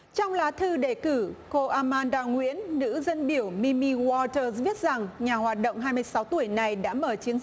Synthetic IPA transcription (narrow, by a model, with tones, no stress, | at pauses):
t͡ɕɔ˧wŋ͡mlaː˨˦t̪ʰɨ˧ɗe˧˩kɨ˧˩ko˧ʔaː˧maː˧nɗaː˧˩wŋwḭ˧˥ənːɨ̰˧˥zə˧nɓi˧˩əwmi˧mi˧wɔ˧t̪əː˧zɓi˦˥ət̚za˨˩ŋɲaː˨˩hwaː˨˩t̚ɗə̰˧˨wŋ͡mɦaː˧jmɨ˧əjsa˨˦wt̪u˧˩əjna˨˩jɗa̰ː˧˥məː˧˨˩t͡ɕi˨˦ənz̚